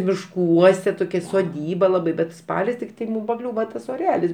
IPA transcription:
mʲɪʃˈkuɔsʲɛ toːˈkʲɛ soːˈdʲiːbɐ ˈlˠɑːbɐɪ ˈbʲɛt ˈspɑːlʲɪs tʲɪkˈtɐɪ ˈmuːm pɐˈklʲuːʋɐ ˈtɐs oːˈrʲæːlʲɪs

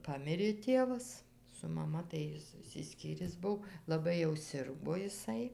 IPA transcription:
ˈpɑːmʲɪrʲeː ˈtʲeːʋɐs sʊ mɐˈmɐ tɐɪ ˈjɪs ɪʃʲsʲɪˈsʲkʲiːrʲɪs ˈbʊʋoː lˠɐˈbɐɪ jɛʊ ˈsʲɪrɡoː ɪˈsɐɪ

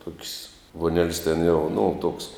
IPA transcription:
tuɔkʲsʲ ʋuɔˈnʲɛlʲsʲ tʲɛn jɛʊ nʊ toːks

